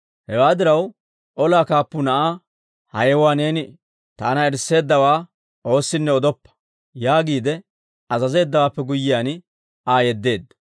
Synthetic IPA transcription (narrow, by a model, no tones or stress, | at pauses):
hɛwaːd̪ɪɾɐw | ʔɔlaːkaːpːʊnɐʔaː | hɐjɛwaːne̞ːnɪ | t̪aːnɐɛɾsːe̞ːd̪ːɐwaː | ʔo̞ːsːɪnːɛɔd̪ɔpːɐ̥ | jaːɡiːd̪ɛ | ɐzɐze̞ːd̪ːɐwaːpːɛɡʊjːɪjaːn | ʔaːjɛd̪ːe̞ːd̪ːɐ